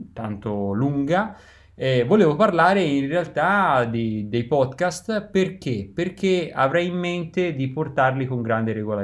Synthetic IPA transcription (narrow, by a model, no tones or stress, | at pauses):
t̪ant̪oluŋɡa | ɛvoleːvoparlaːɾeinrealt̪ad̪id̪ejpɔd̪kast̪perk̟eperk̟ea̰vɾɛjimːent̪ed̪iport̪arlikoŋɡɾand̪eɾeɡola